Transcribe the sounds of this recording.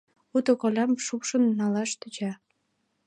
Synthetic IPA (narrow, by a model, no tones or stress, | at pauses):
ut̪okolʲɑmʃukʃənːɑlɑʃt̪yt͡ɕɑ